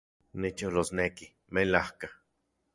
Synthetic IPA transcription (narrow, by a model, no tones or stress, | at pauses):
nit͡ʃolosneki | melahka